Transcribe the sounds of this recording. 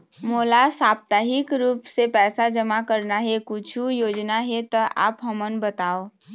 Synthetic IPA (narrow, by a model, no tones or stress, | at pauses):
molasap̚t̪aɦikɾupsepɛsad͡ʒəmakəɾnaɦekut͡ʃʰujod͡ʒnaɦet̪əʔa̰pɦəmənbət̪ao